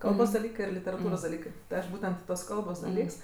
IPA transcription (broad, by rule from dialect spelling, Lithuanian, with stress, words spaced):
ˈkɐlˠboːs dɐˈlʲiːkɜ ɪr lʲɪtʲɛrɐˈtuːroːs dɐˈlʲiːkɜ tɐɪ ˈɐʃ ˈbuːtʲɛnt tuɔs ˈkɐlˠboːs dɐˈlʲiːks